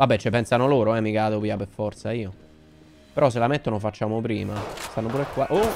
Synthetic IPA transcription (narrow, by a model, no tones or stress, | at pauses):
vabːɛt͡ʃːepːɛnsanoloːɾoɛmːikaːd̪opiːapeɾfɔɾt̪saiːo | peɾɔs̬ːelamet̪ːonofat͡ʃːaːmopɾiːmast̪anːop̬uːɾekːwaʔo